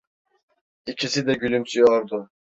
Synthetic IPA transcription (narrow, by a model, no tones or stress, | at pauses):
icʰisid̪ɛɟylʲymsʰyjoɾd̪ʊ